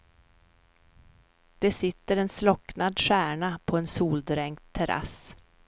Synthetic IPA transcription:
d̪̥ɛsɪt̪ːəɾɛnslɔknad̪ʂæːɳapʰɔɛnsuːld̪ɾɛŋt̪ʰːɛɾʔa̰s

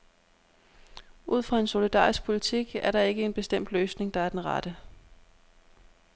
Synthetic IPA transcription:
ʔuð̞̰ˠfʁɑ̈e̝nso̝lid̥ɑ̰̈ːʁisɡ̥̚pʰo̝lit͡sʰiɡ̥æɐɾɑ̈e̝ɡ̥əe̝nb̥e̝sd̥em̰d̥løːsne̝ŋd̥ɑ̈æɐd̥enʁɑ̰d̥ə

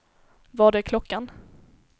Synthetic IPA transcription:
vaɖɛkʰlɔkːan

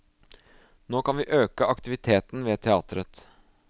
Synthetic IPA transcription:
noːkʰɑnʋiːʔøːkəʔɑkt̪ɪʋɪt̪ʰeːt̪n̩ʋeːt̪ʰɛɑːt̪ɾət̪

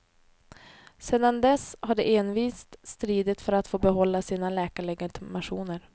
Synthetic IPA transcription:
seːd̪and̪ɛshaɖɛʔeːnviːst̪st̪ɾiːd̪ɪt̪fœɾat̪foːbɛɦɔlːasiːnalɛːkaɭɛɡɪt̪ɪmaɧuːnəɾ

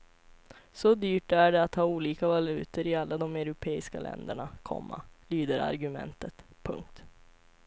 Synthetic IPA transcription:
sɔd̪yːʈæɖɛat̪hɑːuːliːkavalʉ̟ːt̪əɾɪalːad̪ɔmœɾʊpʰeːɪska̰lɛ̰nd̪əɳakʰɔ̰mːa̰lyːd̪əɾa̰ɾɡɵmɛ̰nt̪ət̪pʰɵ̰ŋk̚t̪

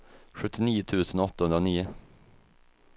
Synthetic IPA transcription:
ɧɵt̪ːɪniːʊt̪ʰʉ̟ːsənɔt̪ːahɵnɾaniːʊ

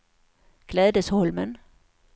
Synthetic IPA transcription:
ɡ̥lɛðˠdəshɔlmən

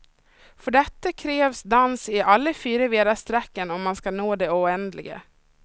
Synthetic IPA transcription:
fœɖɛt̪ːəkʰɾeːvsd̪ansɪʔalːəfyːɾəveːd̪ast̪ɾɛkːənɔmːanskanoːd̪ɛʊɛnd̪lɪ̰ɡə̰

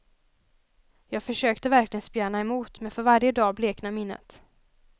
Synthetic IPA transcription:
jɑːɡ̥fœʂøːkt̪əvæɾklɪɡənspjæːnaɛmuːt̪mɛnfœɾvaɾjəd̪ɑːbleːknamɪnːə̰t̪

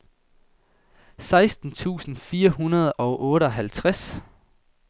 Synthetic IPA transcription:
sɑ̈ɪsd̥n̩t͡sʰṵːsn̩fiːɐɦunɐð̞̩ˠɒ̽ʊʔɔ̽ːɾəɒ̽ɦælt͡sʰʁas

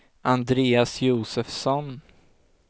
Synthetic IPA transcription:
ʔand̪ɾeːasjuːsɛfsɔn

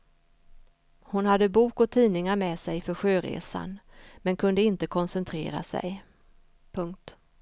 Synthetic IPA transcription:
hʊnhad̪ːəbuːkɔt̪ʰiːnɪŋaɾmɛːsɛjfœɾɧøːɾḛːsa̰nmɛnkʰɵnd̪əɪnt̪əkʰɔnsɛnt̪ʰɾḛːɾa̰sɛ̰j | pʰɵŋk̚t̪

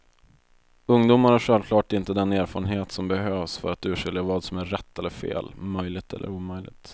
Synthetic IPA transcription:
ɵŋd̪uːmaɾhaɧɛlvkʰlɑːʈɪnt̪əd̪ɛneːɾfɑːɾənɦeːt̪sɔmbɛɦøːvsfœ̰ɾat̪ʉ̟ːʂɪljavɑːd̪sɔmæːɛt̪ːɛlːəɾfḛːlmœjlɪɡ̚t̪ʰɛ̰lːə̰ɾuːmœjlɪ̰ɡ̚t̪

